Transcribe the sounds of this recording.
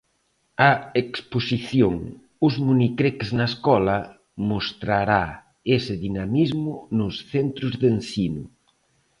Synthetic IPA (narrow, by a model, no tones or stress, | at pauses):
ɐeksposiθjoŋ | uzmunikɾekznaeskɔlɐ | most̪ɾaɾa | esɪðinamizmʊnʊsθent̪ɾʊzðensinʊ